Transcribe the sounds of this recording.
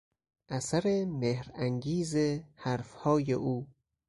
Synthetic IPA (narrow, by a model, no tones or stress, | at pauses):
ʔæsæɾemehɾæŋɡiːzehæɾfhɒːjeʔuː